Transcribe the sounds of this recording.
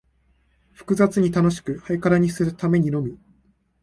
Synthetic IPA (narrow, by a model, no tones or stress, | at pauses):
ɸɯ̥kɯ̟zat͡sɨɲ̟it̪ano̞ɕi̥kɯ̟haikaɾaɲ̟isɨɾɯ̟t̪ame̞ɲ̟ino̞mʲi